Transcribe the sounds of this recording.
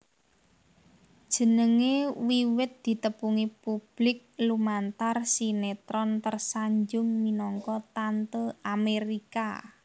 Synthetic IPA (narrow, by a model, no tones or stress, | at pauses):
d̥ʒ̥ə̤nəŋewiwɪt̪̚d̪̥i̤t̪əpuŋipub̥lɪk̚lumant̪arsinet̪ɾɔnt̪ərsaɲd͡ʒʊŋminɔŋkɔt̪ant̪əameɾika̰